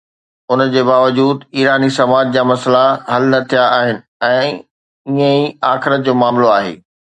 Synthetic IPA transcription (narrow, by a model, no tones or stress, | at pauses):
ʊnəd͡ʑeːbaːʋəd͡ʑuːd̪iːɾaːnisɐmaːd͡ʑd͡ʑaːmɐslaɦɐlnɐt̪ʰijaaːɦɪnɪ̆ɛ̃ː | iə̃iaːxɪɾət̪̚d͡ʑoːmaːmloaːɦḛː